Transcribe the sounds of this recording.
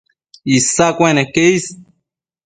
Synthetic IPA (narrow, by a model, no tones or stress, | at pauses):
isakʷenekeis